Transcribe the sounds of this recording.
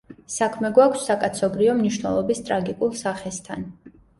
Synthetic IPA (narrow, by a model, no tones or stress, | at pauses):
sakʰmɛɡwakʰsːakʼat̪sʰɔɡɾiɔmniʃnɛ̰lˠɔbist̪ʼɾaɡikʼulˠsaχɛst̪ʰan